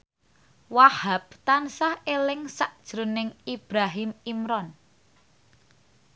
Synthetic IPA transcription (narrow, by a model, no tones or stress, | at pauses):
wahab̚t̪ansahelɪŋsaʔd̥ʒ̥ɾʊnɪŋib̥ɾaɦimimɾɔn